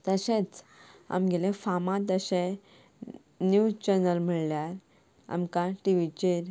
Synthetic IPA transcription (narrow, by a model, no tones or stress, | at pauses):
t̪əɕẽt͡sa̰mɡelefamãt̪əɕe | njut͡ɕənəlm̤iɭljaɾ | a̰mkaʈiʋit͡ɕeɾ